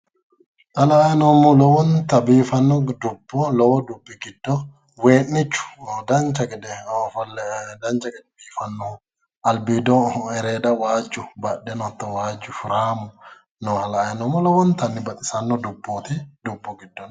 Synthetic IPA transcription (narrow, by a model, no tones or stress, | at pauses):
ʔalaːjnɔmɔlɔwɔnt̪ɐbiːfɐnːɔd̪ubːɔlɔwɔd̪ubːiɡɪdːɔ | weːʔːɪt͡ʃːʊ̥dɐnt͡ʃɐkʼɛdɛfldɐnt͡ʃɐkʼɛdɛbiːfɐnːɔ | ʔɐlbid̪ɔɛɾɛːdɐwaːd͡ʒːubɐɗːɛnɔt̪ːɔwaːd͡ʒːʊfʊɾaːmɔ | nɔhalaːjnɔmɔlɔwɔnt̪ɐnːɪbɐt̪ʼɪsɐnːɔdubːoːt̪idubːɔɡɪdːɔn